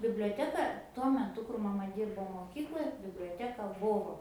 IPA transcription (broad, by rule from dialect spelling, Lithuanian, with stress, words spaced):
bʲɪbʲlʲoːˈtʲæːkɐ tuɔ mʲɛˈtʊ kʊr mɐˈmɐ ˈdʲiːrboː moːˈkʲiːklˠoːj bʲɪbʲlʲoːˈtʲæːkɐ ˈbʊʋoː